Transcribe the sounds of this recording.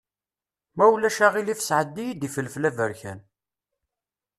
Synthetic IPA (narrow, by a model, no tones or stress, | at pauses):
mæwlæʃæʁilifə̥sʕəd̪ːijid̪ifəlːflævəɾçæ̰n